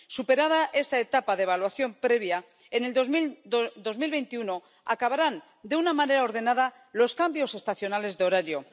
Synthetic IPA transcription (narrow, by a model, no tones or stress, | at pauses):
supe̞ɾað̞aʔe̞st̪aet̪apaðeβ̞alwaθjo̞mpɾe̞β̞ja | ene̞ld̪ozmid̪o̞zmilβe̞jnt̪iuno̞ | akaβaɾan | d̪e̞unamãne̞ɾao̞ɾðe̞naða | lo̞skambjo̞se̞st̪aθjo̞nale̞zðeo̞ɾaɾjo̞